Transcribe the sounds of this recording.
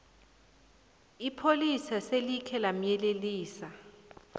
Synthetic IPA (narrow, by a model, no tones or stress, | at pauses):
ipʰolisaselikʰɛlam̩jɛleliːsa